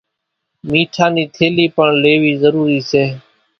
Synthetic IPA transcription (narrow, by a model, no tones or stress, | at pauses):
miːʈʰãːniːt̪ʰeːliːpəɳleːʋiːzəɾuːɾiːseː